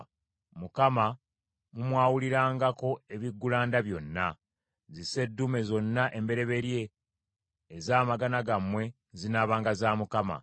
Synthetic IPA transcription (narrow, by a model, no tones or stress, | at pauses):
mukama | mumwaːwuliɾaːŋɡako̞e̞βiɡːulaːndaβjo̞nːa | zise̞dːume̞zo̞nːaʔe̞mbe̞ɾe̞βe̞ɾje̞ː | zaːmaɡanaɡamwe̞ | zinaːβaːŋɡazaːmukama̰